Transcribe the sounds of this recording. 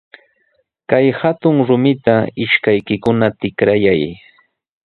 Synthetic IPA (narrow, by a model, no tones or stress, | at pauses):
kajhat̪ʊŋɾʊmɪt̪aɪʃkajkɪkʊnat̪ɪkɾajaj